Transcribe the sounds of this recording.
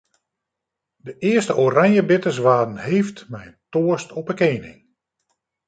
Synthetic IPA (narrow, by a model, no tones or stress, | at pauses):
dəʔɪəstəʔoraŋjəbɪtəs̬ʋaːdn̩hejftmɛjntoəstʰɔpəkeːnɪ̰ŋ